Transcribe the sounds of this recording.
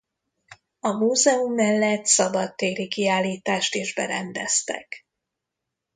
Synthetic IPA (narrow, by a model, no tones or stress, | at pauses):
ɒmuːzɛumːɛlːɛt̪sɒbɒt̪ːeːɾikiaːlːiːt̪aːʃt̪eːʒbɛɾɛnd̪ɛst̪ɛ̰k